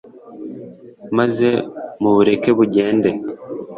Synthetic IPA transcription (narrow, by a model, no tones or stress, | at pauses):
mazemuβuɾe̞ke̞βuɟeːnde